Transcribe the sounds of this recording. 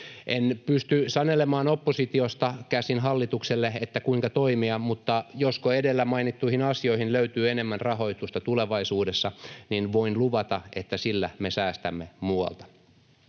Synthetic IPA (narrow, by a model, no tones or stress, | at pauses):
ʔenpyst̪ysɑnelemɑːnopːosit̪iost̪ɑkæsinɦɑlːit̪ukselːeet̪ːækuiŋkɑt̪oimiɑmut̪ːɑjoskoedelːæmɑinit̪ːuihinɑsioihinløyt̪yːenemːænrɑɦo̞it̪ust̪ɑt̪uleʋɑisuːdesːɑninʋoinluʋɑt̪ɑet̪ːæsilːæmesæːst̪æmːemuɑ̰lt̪ɑ̥